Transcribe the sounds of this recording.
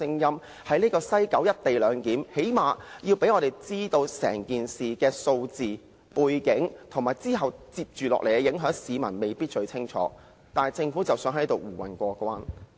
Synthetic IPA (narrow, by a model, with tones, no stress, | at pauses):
ɪ˥ŋjɐ˥m | hɐ˨˥jniː˥kɔː˧sɐ˥jkɐ˨˥wjɐ˥t̚t̪e˨jlœː˨˧ŋkiː˨˥mhe˨˥jmaː˨jiː˧wpe˨˥jŋɔː˨˧ɾe˨jt͡siː˥t̪o˧wsɛ̰ː˨˩ŋkiː˨nsiː˨kɛː˧so˧wt͡siː˨ | puː˨jkɪ˨˥ŋt̪ʰʊ˨˩ŋmaː˨˩jt͡siː˥ɦɐ˨wt͡siː˧p̚t͡ʃyː˨˩lɔ̰ː˨k̚le˨˩kɛ˧jɪ˨˥ŋɦœː˨˥ŋsiː˨˧mɐ̰˨˩nme˨jpiː˥t̚t͡ʃɵ˧ɥt͡sʰɪ˥ŋt͡ʃʰɔ̰ː˨˥ | t̪aː˨n˨jt͡sɪ˧ŋfuː˨˥t͡sɐ˨wsœː˨˥ŋhɐ˨˥jt̪o˨wwuː˨˩wɐ̰˨˩nkʷɔː˧kʷaː˥n